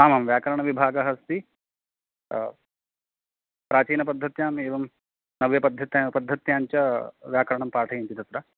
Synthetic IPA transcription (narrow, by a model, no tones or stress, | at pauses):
aːmamʋjaːkɐɾɐɳ̃ɐʋibʱaːɡɐɦɐst̪i | pɾaːt͡ʃiːnɐpɐd̪ʱːɐt̪jaːmeːʋɐm | nɐʋjɐpɐd̪ʱːɐt̪japɐd̪ʱːɐt̪jaːɲt͡ʃɐʋjaːkɾɐɳɐmpaːʈʰɐjint̪id̪ɐsɾɐ